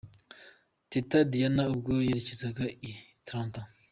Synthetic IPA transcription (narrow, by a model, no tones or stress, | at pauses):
titadijanaub̚ɡojeɾecezaɡaitɾãnta